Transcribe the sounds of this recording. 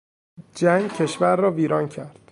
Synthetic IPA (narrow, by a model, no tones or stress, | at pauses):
d͡ʒæŋɡcʰe̞ʃvæɾːɒːviːɾɒːncʰæɾd̪̥